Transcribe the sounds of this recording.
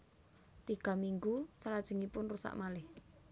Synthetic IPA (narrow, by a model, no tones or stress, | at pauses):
t̪iɡ̥a̤miŋɡusalad̥ʒ̥ə̤ŋipʊnrusa̰ʔmalɪh